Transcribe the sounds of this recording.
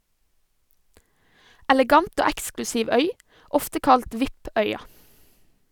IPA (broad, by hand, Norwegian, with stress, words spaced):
ɛlɛˈɡɑnt ˈoː ˈæksklʉsiːʋ ˈœʏ ˈɔftə ˈkɑlt ˈʋɪp ˈœʏɑ